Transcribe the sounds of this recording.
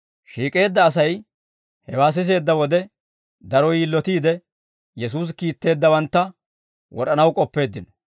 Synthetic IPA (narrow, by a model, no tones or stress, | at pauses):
ʃiːkʼe̞ːd̪ːɐːs̬ɐj | hɛwaːs̬ɪs̬e̞ːd̪ːɐwɔd̪ɛ | d̪ɐɾɔjiːlːɔt̪iːd̪ɛ | jɛs̬uːs̬kiːt̪ːe̞ːd̪ːɐwɐnt̪ːɐ | wɔɾɐnɐwkʼɔpːe̞ːd̪ːɪnɔ